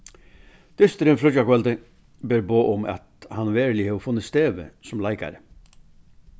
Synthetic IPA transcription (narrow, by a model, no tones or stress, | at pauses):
d̪̥ʏst̪əɾənfɾɔd͡ʒɑkʋɛlt̪ə | bøːɾboːʔʊmɑ̰t̪hɑnʋeːɾlɪheːfʊnːəst̪eːʋə̰sɔmlɑɪkɑ̰ɾə